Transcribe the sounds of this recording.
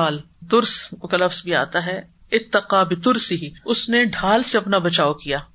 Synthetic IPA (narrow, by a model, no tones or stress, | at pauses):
aːl | t̪ʊɾskalɐfzbʱia̰ːt̪aɦɛ | ɪt̪ːɐqaːbɪt̪ʊɾsɪɦiʊsneɖʱaːlseɐpnabɐt͡ʃaːokijaː